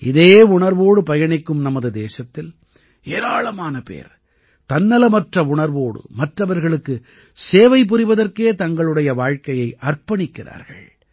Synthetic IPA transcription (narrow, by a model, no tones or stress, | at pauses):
ʔɪðeːʊɳɐɾʋoːɽɯpɐjɐɳɪkːɯmnɐmɐðɯd̪eːsɐt̪ːɪl | eːɾaːɭɐmaːnɐpḛːɾ | t̪ɐnːɐlɐmɐʈrɐʊɳɐɾʋoːɽɯ̰mɐʈrɐʋɐɾɣɐɭɯkːɯ | seːʋɐɪp̬ːɯrɪʋɐðɐrkeːt̪ɐŋɡɐɭɯɽɐjɐʋaːɻkɐjɐɪʔɐrpɐɳɪkːɪra̰ːɾɣɐ̰ɭ